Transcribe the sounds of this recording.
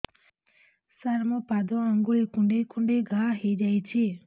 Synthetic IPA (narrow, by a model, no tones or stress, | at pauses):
saɾmɔpad̪ɔaŋɡulikuɳɖekʰuɳɖeɡʱaɦejd͡ʒajt͡ʃʰi